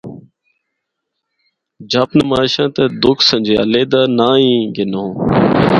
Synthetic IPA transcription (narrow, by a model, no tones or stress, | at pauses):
d͡ʒaːpnəmaːʃãːt̪ɛːd̪ʊkʰsə̃nʲd͡ʒeːə̰leːd̪aːnãːĩːɡɪnõː